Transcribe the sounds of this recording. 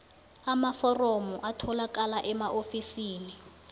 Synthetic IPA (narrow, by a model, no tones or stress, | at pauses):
amafɔrɔmɔʔatʰɔlakalaʔɛmaʔofisiːni